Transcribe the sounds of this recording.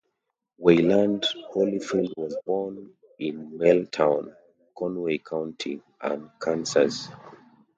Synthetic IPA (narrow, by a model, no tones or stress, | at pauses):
welãndholifildwɔzbɔn | ĩnmeltʰãʊ̃n | kʰɔ̃nweɪkʰãʊ̃ntʰi | ʔã̰nkʰãnsas